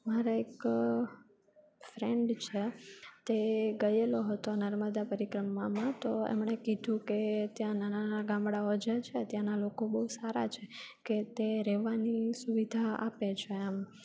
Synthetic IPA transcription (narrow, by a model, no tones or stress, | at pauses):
maɾaek | fɾeɳɖt͡ʃʰet̪eɡəjeloɦət̪onəɾməd̪apəɾikɾəmamãt̪oḛmɳekid̪ʱũket̪jãnanaaɡãmbɽaod͡ʒat͡ʃʰet̪jãnalokobəusaɾa̰t͡ʃʰeket̪eɾɛʋanisuʋid̪ʱaa̰pet͡ʃʰeam